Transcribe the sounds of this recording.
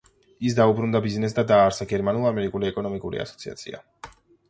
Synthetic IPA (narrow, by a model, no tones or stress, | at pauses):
isd̪aubɾund̪abiznɛs̬d̪ad̪aːɾsaɡɛɾmanulˠamɛɾikʼuliɛkʼɔnɔmikʼuɾḭa̰sɔ̥t̪sʰia̰t̪sʰḭa̰